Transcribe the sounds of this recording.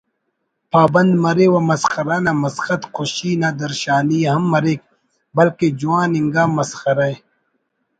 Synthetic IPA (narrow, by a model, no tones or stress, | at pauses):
paːbɐnd̪mɐɾewɐmɐsxɐɾaːnɐmɐsxɐt̪xoɕiːnɐd̪ɐɾʃaːniɦɐmːɐɾeːk̚ | bɐlked͡ʒuaːniŋɡaːmːɐsxɐɾɐj